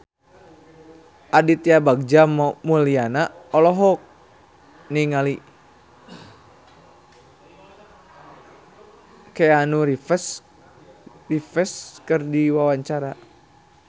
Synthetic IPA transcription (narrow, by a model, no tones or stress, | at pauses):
ʔadit̪iabaɡ̚d͡ʒammulianaɔlɔɦɔk̚ | niŋali | keanuɾifəs | rifəskərdiwawaɲt͡ʃaɾa